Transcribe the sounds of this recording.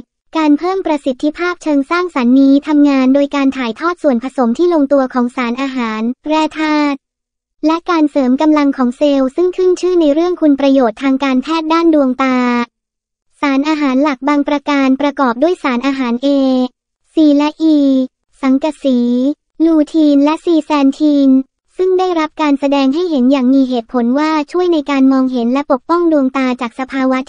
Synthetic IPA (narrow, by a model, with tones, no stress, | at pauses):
kaː˧npʰɤː˥˩mpɾa˧si˨˩t̪ʰːi˦˥pʰaː˥˩p̚t͡ɕʰɤː˧ŋsaː˥˩ŋsa˩˦nːiː˦˥t̪ʰa˧mŋaː˧ndoː˧jkaː˧nt̪ʰaː˨˩˦jt̪ʰɔː˥˩t̪̚su˨˩ənpʰa˧so˩˦mt̪ʰiː˥˩lo˧ŋt̪u˧ɐkʰɔː˩˦ŋsaː˩˦nʔaː˧ɦaː˩˦npʰɾɛː˥˩t̪ʰaː˥˩t̪̚ | lɛ˦˥kaː˧nsɤː˩˦mka˧mla˧ŋkʰɔː˩˦ŋseː˧wsɯ˥˩ŋkʰɯ˥˩nt͡ɕʰɯː˥˩na˧jɾɯ˥˩əŋkʰu˧npɾa˧joː˨˩t̪ʰːaː˧ŋkaː˧npʰɛː˥˩t̪̚daː˥˩ndu˧əŋt̪aː˧ | saː˩˦nʔaː˧ɦaː˩˦nla˨˩k̚baː˧ŋpɾa˧kaː˧npɾa˧kɔː˨˩p̚du˥˩əjsaː˩˦nʔaː˧ɦaː˩˦nʔeː˧ | siː˨˩lɛ˦˥ʔiː˧ | sa˩˦ŋka˧˩siː˩˦ | luː˧t̪ʰiː˧nlɛ˦˥siː˧sɛː˧nt̪ʰiː˧n | sɯ˥˩ŋdaː˥˩jɾa˦˥p̚kaː˧nsa˧dɛː˧ŋɦa˥˩jɦe˩˦njaː˨˩ŋmiː˧ɦeː˨˩t̪̚pʰo˩˦nwaː˥˩t͡ɕʰu˥˩əjna˧jkaː˧nmɔː˧ŋɦe˩˦nlɛ˦˥po˨˩k̚pɔ˥˩ŋdu˧əŋt̪aː˧t͡ɕaː˨˩k̚sa˧pʰaː˧wa˦˥